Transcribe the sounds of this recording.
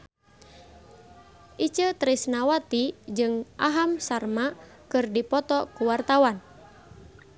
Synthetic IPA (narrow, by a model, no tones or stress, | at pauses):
ʔit͡ʃət̪ɾisnawat̪id͡ʒɨŋʔaɦamsarma | kɨrdipɔt̪ɔkuwart̪awan